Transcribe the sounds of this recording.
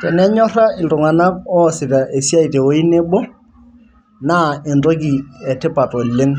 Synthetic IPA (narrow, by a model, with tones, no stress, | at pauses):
tɛ˨nɛ˦ɲɔ˦ra˦ɪ˨ltʊ˨ŋa˨na˦kɔ˦˨sɪ˨ta˨ʔe˨si˦a˦i˨te˨o˦i˦ne˦bɔ˦ | na˦ɪ˨ntɔ˦k̬i˨ɛ˨tɪ˦pa˨tɔ˨lɪ˦ŋ